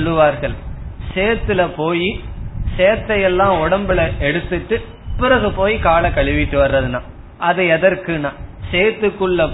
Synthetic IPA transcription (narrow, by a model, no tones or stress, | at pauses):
ɔlːɯʋaːɾɣɐɭseːt̪ːɯlɐpoːjiseːt̪ːɐjɛlːãːɔɽɐmbɯlɐɛɽɯt̪ːɯʈːɯ | pɯɾɐɣɯpoːjikaːlɐkɐɭɪʋɪʈːɯʋɐrːɐðɯnãː | ɐðɐɛðɐɾkɯnãːseːt̪ːɯkːɯɭːɐ